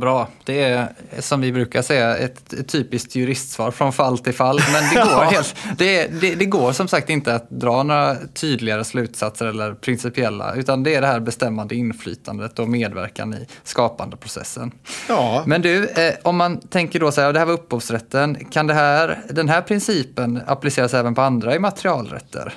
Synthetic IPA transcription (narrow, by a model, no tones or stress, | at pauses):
bɾɑːd̪̥ɛːsɔmvɪbɾʉ̟ːkaʂɛjːaɛ̰t̪t̪ʰːyːpɪst̪ʰjɵɾɪst̪svɑːɾfɾɔnfalːt̪ʰɪlfalːmɛnd̪ɛɡoːɾhelt̪d̪ɛd̪ɛd̪ɛɡoːɾʂɔmsak̚t̪ɪnt̪əat̪̚d̪ɾɑːnoːɾat̪ʰyːd̪lɪɡaɾəslʉ̟ːt̪sat̪səɾɛlːəɾpʰɾɪnsɪpɪɛlːa̰ʉ̟ːt̪and̪ɛæɖɛɦæːɾbɛst̪ɛmːand̪əɪnfly̰ːt̪ʰa̰nd̪ət̪ːɔmeːd̪væ̰ɾka̰nɪ̰skɑːpand̪əpʰɾʊsɛ̰sːə̰n | mɛnd̪ʉɔmːant̪ʰɛŋkəɖɔsɛad̪ɛhæːvaɵpːhuːvsɾɛt̪ːənkʰand̪ɛɦæːɾd̪ɛnɦæːɾpʰɾɪnsiːpəna̰plɪseːɾasɛːvənpʰɔand̪ɾaɪmat̪əɾɪɑːlɾɛ̰t̪ʰːə̰ɾ